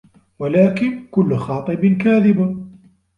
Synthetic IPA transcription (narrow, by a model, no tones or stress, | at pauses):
walaːkɪnkʊlːxɑːt̪ˤɨbnkaːðɪb